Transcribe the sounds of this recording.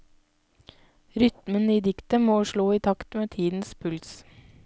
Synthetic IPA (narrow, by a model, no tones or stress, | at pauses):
ɾʏt̪məniːd̪ɪkt̪əmoːʃɭoːiːt̪ʰɑkt̪meːt̪ʰiːd̪n̩spʰʉls